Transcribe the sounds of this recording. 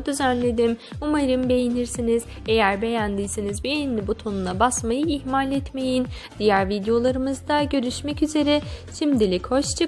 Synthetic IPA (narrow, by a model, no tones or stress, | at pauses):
d̪yzænlʲe̞d̪imumaɾɯmbe̞jiniɾsiniz | e̞jæɾbe̞jænd̪iːsinizbejinlʲibut̪ʰo̞nunˠabasmajɯihmalʲɛt̪me̞jin | d̪̥ijæɾvid̪ejo̞lˠaɾɯmɯzd̪aɟø̞ɾyʃmɛcyze̞ɾɛʃimd̪ilʲicho̞ʃt͡ʃʰɯ